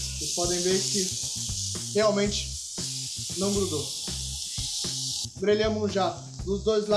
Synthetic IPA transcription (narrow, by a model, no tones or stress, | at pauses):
ɪpɔd̪ẽj̃veɾkɪ | heawmẽnt͡ʃɪ̥ | nɐ̃w̃bɾud̪o | bɾeʎɐ̃mʊ̃ʒa | d̪ʊzd̪ojzla